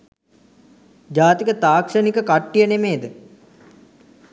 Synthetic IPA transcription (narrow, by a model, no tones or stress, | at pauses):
d͡ʒaːt̪ikət̪aːkʂənikəkaʈːijənemeːd̪ə